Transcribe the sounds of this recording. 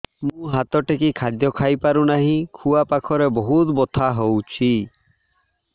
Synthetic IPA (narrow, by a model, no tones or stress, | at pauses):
mũɦat̪ɔʈekikʰad̪jɔkʰajpaɾunaɦĩkʰuapakʰɔɾebɔɦut̪bɔt̪ʰaɦowt͡ʃʰi